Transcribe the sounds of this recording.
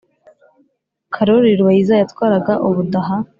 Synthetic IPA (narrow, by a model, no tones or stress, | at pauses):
kʰaɾoɾiɾwaizajatwaːɾaɡaʔuβudaɦa